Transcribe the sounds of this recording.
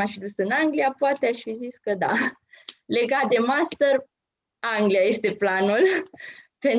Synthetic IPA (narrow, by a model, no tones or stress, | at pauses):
afid̪usɨnaŋɡliapoat̪eaʃfiziskəd̪a̰ | le̞ɡat̪̚d̪e̞mast̪ər | aŋɡliaje̞st̪e̞planul | pe̞n